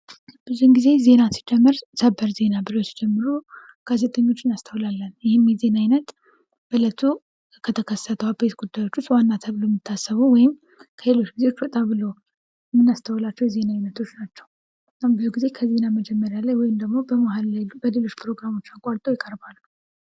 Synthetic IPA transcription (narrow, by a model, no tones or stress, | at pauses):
b̥ɨzuhnɡize̞ze̞nasid͡ʒɛmːɨɾsəbːəɾze̞nabɨlo̞si̥d͡ʒɛmːɨɾu | ɡ̥aze̞t̪ʼəɲːo̞t͡ʃːɪnast̪ʰəwlalːənjɪhɪmjɛze̞najnət̪ | b̥ələt̪ʰu | kʰət̪ʰəkʰəsːət̪ʰəabe̞t̪ɡud̪ːajo̞t͡ʃːut͡ʃːwanːat̪ʰəβlojmːɨt̪ʰːasːəβuwɔjɪm | kʰəle̞lo̞t͡ʃːɡize̞wot͡ʃːwɔt̪ʼaβɨlo̞ | mːɨnːast̪ʰəwlat͡ʃːɛwjɛze̞naːjnət̪ʰo̞t͡ʃːnat͡ʃːɛw | nabɨzuɡize̞kʰəze̞naməd͡ʒɛmːəɾjalajwɔjɪmd̪əɡmo̞bəmaɦallajbəle̞lo̞t͡ʃːpʰɨɾo̞ɡɾamo̞t͡ʃːakʼaɾt̪ʼojɪkʼəɾbalː